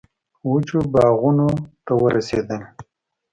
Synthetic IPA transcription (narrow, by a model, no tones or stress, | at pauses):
wut͡ʃubɑːɣunot̪awəɾʔased̪ən